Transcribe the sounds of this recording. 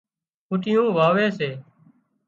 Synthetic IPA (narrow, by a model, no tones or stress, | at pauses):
ʊʈɪjõːʋaːʋeːseː